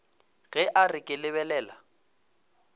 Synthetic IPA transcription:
ɣɛʔarɪkʼɪlɪβɛlɛːla̰

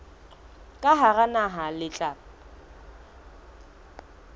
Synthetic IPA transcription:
kʼaɦaranaɦalɪt͡ɬʼa

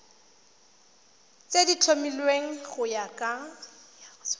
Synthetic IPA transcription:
t͡sedit͡ɬʰomilweŋ̩ɣʊjakʼa

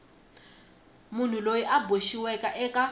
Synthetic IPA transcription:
mun̤ulojiʔabʱwoʃiwɛkʼaʔɛkʼa

